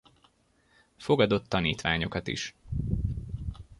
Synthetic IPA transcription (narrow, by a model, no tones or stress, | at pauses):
fo̞ɡɒd̪o̞t̪ːɒniːt̪ʋaːɲo̞kɒt̪ḭʃ